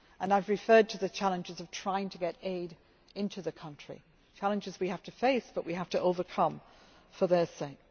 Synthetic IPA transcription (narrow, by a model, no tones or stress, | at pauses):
ʔə̃naɪvɹɨfɜ˞d̚tʰɨðɨt͡ʃʰalˠə̃nd͡ʒɨzʌv̥tʰɹ̥aɪɪ̃ŋtʰəɡɛɾeɪɾ | ɪ̃ntʰʉðɨkʰʌ̃nt͡ʃɹ̥ḭ | t͡ʃʰælˠɨ̃nd͡ʒɨzwihaftɨfeɪsb̥ʌʔwiɦaftəʔoʊvə˞kʰʌ̃m | fə˞ðə˞seɪk̚